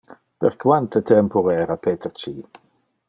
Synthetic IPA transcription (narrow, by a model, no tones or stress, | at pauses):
b̥ɛrkʰwantʰətʰɛmpʰɔɛɾapʰeːtʰərt͡ʃʰiː